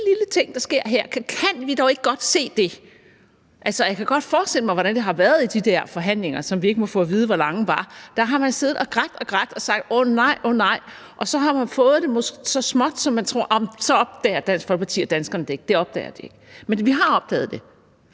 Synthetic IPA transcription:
dililət͡sʰe̝ŋ̰d̥ɑ̈sɡ̥e̝ɐ̰ɦæɐ̰kʰkʰæn̰ʋidɒʊe̝ɡ̥əɡ̥ɒ̽d̥se̝̰ːd̥e̝ | ʔælsɒjɑ̈kʰæɡ̥ɒ̽d̥fɒːsd̥e̝l̰əmɑ̈ɪʋɒɾænd̥eɦɑ̈ʋæɐð̞ˠid̥id̥æɐ̰fɒ̽ɦæn̰le̝ŋɐsɒ̽mʋie̝ɡ̥əmɒ̽fɔ̰ːʋiːð̞̩ˠəʋɒlɑ̈ŋəʋɑ̈d̥ɑɦɑ̈mænse̝ːð̩ˠɒɡ̥ʁaɡ̥̚d̥ɒɡ̥ʁaɡ̥̚d̥ɒ̽sɑ̈ɡ̥d̥onɑ̈ɪ̰ʔonɑ̈ɪ̰ | ʔɒ̽sɒ̽ɦɑ̈mænfɔ̽ːð̞̩ˠd̥e̝mosɡ̥e̝sɒ̽smɒ̽d̥sɒ̽mːænt͡sʰʁo̝ɐ̰ɒmsɒ̽ɒ̽b̥̚d̥ɛːɐd̥æn̰sɡ̥fɒ̽lɡ̚pɑ̥t͡sʰḭːɐd̥ænsɡ̥ɐn̩d̥ee̝ɡ̥d̥e̝ɒ̽b̥d̥ɛ̰ːɐd̥ie̝ɡ̥menʋiɦɑ̈ɒ̽b̥̚d̥ɛ̰ːð̞̩ˠd̥e̝

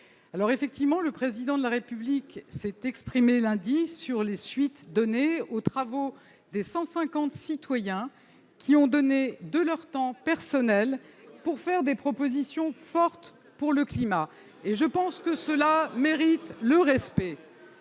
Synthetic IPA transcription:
alɔʁefɛk̚t̪ivmɑ̃ləpχezid̪ɑ̃d̪əlaʁepybliksɛt̪ɛkspχimelɛ̃d̪isyʁlesɥit̪d̪ɔneot̪χavo | d̪esɑ̃sɛ̃kɑ̃t̪sit̪wajɛ̃ | kʲʰiɔ̃d̪ɔned̪əlœʁt̪ɑ̃pɛʁsɔnɛlpuʁfɛʁd̪epχɔpozisjɔ̃fɔʁt̪ | puʁləklima | eʒəpɑ̃skəsəlameʁit̪ləʁɛspɛ

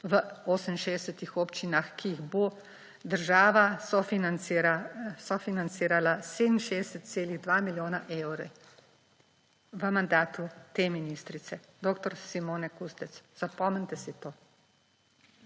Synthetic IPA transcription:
ʋəoːsəmnʃeːɛsət̪ixoːpt͡ʃinaxkiiɣbo | d̪əɾʒaːʋaɔfiasɔfinant̪siːɾalased̪n̩ʃeːɛsət̪̚t̪seːliɣd̪ʋaːmiljoːnaʔewɾɛ | ʋəmand̪aːt̪ut̪eːminist̪ɾit̪sɛd̪oːkt̪ɔɾsimoːnɛkust̪ɛt̪sz̥apɔmənʲt̪ɛsit̪oː

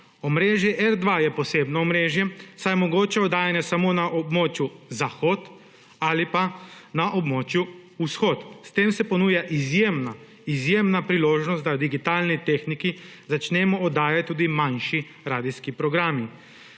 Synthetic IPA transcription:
omɾeːʒjɛʔɛɾd̪ʋajɛposeːbnoːmɾeːʒjɛsajmoɡoːt͡ʃɛɔd̪aːjanjasamonaʔobmoːt͡ʃjuzaxot̪ | alipanaʔobmoːt͡ʃjuusxoːt̪st̪eːmsɛponuːjaʔizjeːmna | izjeːmnapɾiloːʒnost̪d̪ad̪iɡit̪aːlnit̪exniki | zat͡ʃnɛːmɔːd̪aːjat̪̚t̪ːuːd̪imanʃi | ɾaːd̪iskipɾɔɡɾaːmi

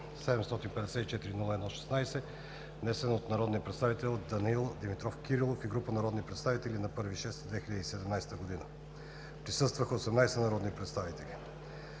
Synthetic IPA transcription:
sɛd̪ɛmst̪ɔt̪inpɛd̪ɛsɛt̪it͡ʃɛt̪iɾinulˠəɛd̪nɔʃɛ̥snajsɛ | vnɛsɛnot̪nɐɾɔd̪nijəpɾɛt̪st̪avit̪ɛlˠd̪ɐniilˠd̪imit̪ɾɔfkʲiɾilˠofiɡɾupənɐɾɔd̪nipɾɛt̪st̪avit̪ɛlinɐpɤɾviʃɛst̪d̪vɛxilʲəd̪isɛd̪ɛmnajst̪əɡod̪inə | pɾisɤst̪vəxəosɛmnajsɛnɐɾɔd̪nipɾɛt̪st̪avit̪ɛli

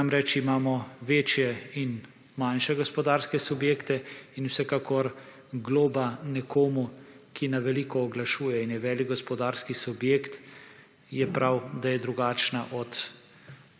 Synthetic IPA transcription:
amɾɛt͡ʃimaːmɔʋeːt͡ʃjɛin | manʃɛɡɔspɔd̪aːɾskɛsubjeːkt̪ɛinwsɛkakɔɾ | ɡloːbanɛkʰoːmukʰinaʋɛliːkɔːɡlaʃuːjɛinjɛʋɛːliɡ̚ɡɔspɔd̪aːɾskisubjeːkt̪ | jɛpɾawd̪ajɛd̪ɾuɡaːt͡ʃnaʔɔt̪

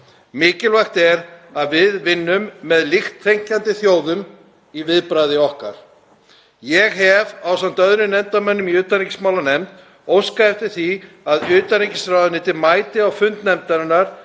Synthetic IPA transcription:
mɪːcɪlvajxt̪ɛɾaðvɪðvɪnːʏmːɛðlɪxt̪ʰːejŋ̥cant̪ɪθjoːwðʏm | ivɪðpɾajðɪɔhka̰ɾ̥ | jɛɣɦɛvawsamt̪œðɾʏnɛmt̪amɛnːʏmiʏːt̪anɾicɪ̥smaːwlanɛmt̪ | owskaɛft̪ɪɾ̥θi | aðʏːt̪anicɪsɾawðʏnɪːt̪ɪmaːjt̪ɪawfʏnt̪nɛmt̪aɾɪnːaɾ̥

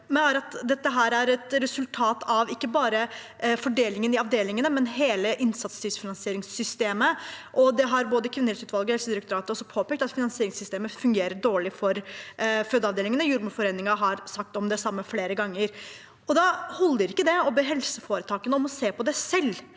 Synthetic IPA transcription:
mɛæːɾɑt̪d̪ɛt̪ːəɦæːɾæɾɛt̪ɾɛsʉlt̪ʰɑːt̪ɑʋɪkːəbɑːɾə | fɔɖeːlɪŋənɪɑʋd̪eːlɪŋənəmɛnɦeːləʔɪnsɑt̪st̪yːsfɪnɑnsɪeːɾɪŋsːʏst̪eːməʔɔd̪ɛɦɑɾboːd̪əkʰʋɪnəɛt̪sʉːt̪ʋɑlɡəhɛlsəd̪ɪɾək̚t̪ʊɾɑːt̪əɔsːɔpʰoːpɛːk̚t̪ɑt̪fɪnɑnsɪeːɾɪŋsʏst̪eːməfʉŋɡeːɾəɖoːɭɪfɔɾfœd̪əɑʋd̪eːlɪŋənəjʊɾmʊfɔɾeːnːɪŋɑɦɑɾsɑk̚t̪ɔmd̪ɛsɑmːəfleːɾəɡɑŋːəɾ | ɔd̪ɑhɔlːəɾɪkːəd̪ɛɔbeɦɛlsəfoːɾət̪ʰɑːkənəɔmɔseːpɔd̪ɛsɛlː

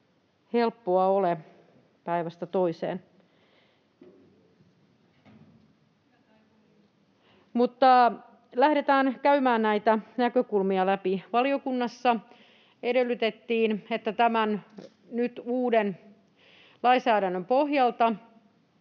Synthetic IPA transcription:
helpːoɑole | pæiʋæst̪æt̪oisḛːn | mut̪ːɑ | læhɾet̪æːnkæymæːnnæit̪ænækøkulmiɑlæpiʋɑliokunːɑsːɑ | edelːˑyt̪et̪ːiːnet̪ːæt̪æmæn | nyt̪uːden | lɑisæːɾænːømpohjɑlt̪ɑ

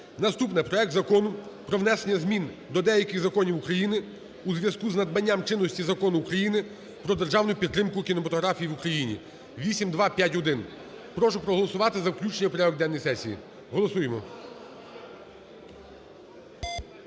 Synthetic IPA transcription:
nɐst̪upnɪpɾɔɛk̚t̪zɐkɔnʊpɾɔʋnɛsenʲːɐzmʲind̪ɔd̪ɛjɐkɪɣzɐkɔnʲiwukɾɐjinɪ | uzʋʲjɐskuznɐd̪̚mɐnʲːamt͡ʃɪnːɔsʲtʲizɐkɔnʊːkɾɐjinɪ | pɾɔd̪erʒɑwnʊjʊpʲit̪t̪ːɾɪmkʊkʲinɔmɐt̪ɔɦɾɑfʲijiʋukɾɐjinʲḭ | ʋʲisʲimd̪ʋɑpʲjatʲɔd̪ɪn | pɾɔʃʊpɾɔɦɔlˠɔsʊʋɑt̪ɪzɐwklʲut͡ʃenʲɐpɾʲaʋɔɡ̚d̪ɛnːɔjsɛsʲijḭ | ɦɔlˠɔsujemɔ

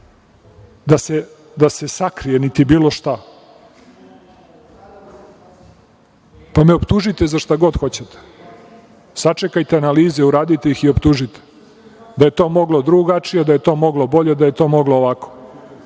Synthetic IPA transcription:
d̪ase | d̪ase̞sakɾije̞nit̪ibiːlˠo̞ʃt̪a | pameopt̪uʒit̪e̞zaʃt̪aɡo̞d̪xo̞t͡ɕet̪e̥ | sat͡ʂe̞kajt̪eanaliːzeuɾaːd̪it̪ejixiopt̪uʒit̪e̥ | d̪aje̞t̪o̞ːmo̞ɡlˠo̞d̪ɾuɡat͡ʂijed̪ajet̪o̞ːmo̞ɡlo̞bo̞ʎed̪aje̞t̪o̞ːmo̞ɡloːʋako̥

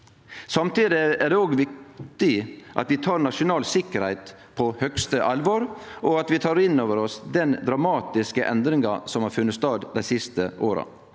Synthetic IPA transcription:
sɑmt̪iːd̪ɪæɖ̪ɛːoːɡʋɪk̚tt̪ɪʔɑ̰t̪ʋɪt̪ʰɑːɾnɑʂʊnɑːlsɪkːəɾhæɪt̪ | pʰɔhœkst̪əʔɑlʋoːɾʔɔɑt̪ʋɪt̪ʰɑːɾɪnoːʋəɾɔsd̪ɛnd̪ɾɑmɑːt̪ɪskəʔɛnd̪ɾɪŋɑsɔmhɑːɾfʉnːət̪st̪ɑːd̪d̪æɪsɪst̪əʔoːɾɑ̰

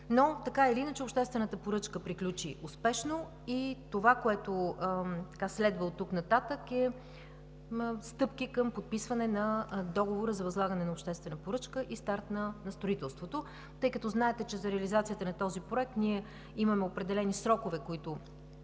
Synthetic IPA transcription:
not̪ɐkaɛliinət͡ʃɛopʃt̪ɛst̪vɛnət̪əpoɾɤt͡ʃkəpɾiklʲut͡ʃiʔʊspɛʃno | it̪ovakoɛt̪ot̪ɐ̥kaslɛd̪vəlˠt̪ːuknɐt̪at̪əkɛ | st̪ɤpkikəmpot̪̚pisvɐnɛnɐd̪ɔɡovoɾəzɐvɐzlˠaɡɐnɛnɐopʃt̪ɛst̪vɛnəpoɾɤt͡ʃkəʔist̪aɾt̪nɐnɐst̪ɾoit̪ɛlˠst̪vot̪o | t̪ɤjkət̪ɔznaɛt̪ɛt͡ʃɛzɐɾɛəlizat̪sijət̪ənɐt̪ɔzipɾoɛk̚t̪niɛ | imɐmɛopɾɛd̪ɛlɛnisɾɔkovɛkoit̪ʊ

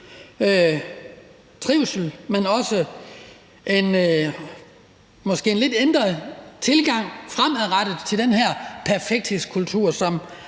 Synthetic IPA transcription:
ø | t͡sʰʁiʊ̰sl̩menɒ̽sə | ʔe̝n | mɒ̽sɡ̥e̝̰ːnle̝d̥end̥ʁɐt͡sʰe̝lɡ̥ɑ̈ŋ̰fʁamæðˠʁad̥əð̩ˠt͡sʰe̝ld̥enɦæɐ̰pʰæɐfeɡ̥̚d̥heskʰult͡sʰṵɐ̰sɒ̽m

